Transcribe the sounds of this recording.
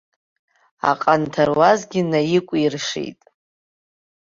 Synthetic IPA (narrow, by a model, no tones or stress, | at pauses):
a̰qʼantʰarwazɡʲɪnajɪkʷʼirʂḛjtʼ